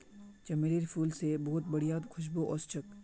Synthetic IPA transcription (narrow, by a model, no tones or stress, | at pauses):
t͡ʃɐmeɾiːɾfʰuːlsebɔɦʊt̪̚bɐɽijaːd̪kʰʊʃ̬boʔɔːst͡ʃʰək